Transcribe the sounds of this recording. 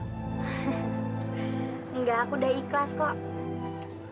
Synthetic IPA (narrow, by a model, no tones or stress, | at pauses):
ŋɡaːkudahiklaskɔʔ